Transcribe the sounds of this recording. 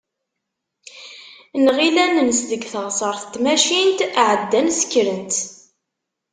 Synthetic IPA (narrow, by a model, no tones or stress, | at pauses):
nʁilænənsðəɡθəʁsˤəɾˤθt̪ːmæʃint̪ʕəd̪ːænsə̥kːɾənt̪